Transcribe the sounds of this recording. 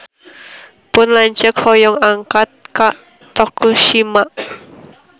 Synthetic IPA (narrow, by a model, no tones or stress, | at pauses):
pʊnlaɲt͡ʃəkhɔjɔŋaŋkat̪̚kaʔ | t̪ɔkuʃimaʔ